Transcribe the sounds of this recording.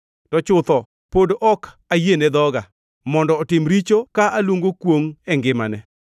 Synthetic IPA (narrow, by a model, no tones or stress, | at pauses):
tɔt͡ʃʊt̪ɔ | podɔk | ajenɛd̪ɔɡa | mɔndɔːtɪmɾit͡ʃokaʔalwoŋɡokwoŋɛŋɡɪma̰nɛ